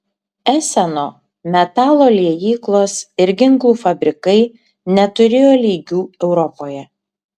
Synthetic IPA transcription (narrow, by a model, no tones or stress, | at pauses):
æːsʲɛnoː | mʲɛt̪ɑːlˠoːlʲiɛjiːklˠoːsɪɾɡʲɪŋklˠuːfɐbʲɾʲɪkɐɪ | nʲɛt̪ʊɾʲeːjoːlʲiːɡʲuːɛʊɾɔpoːjɛ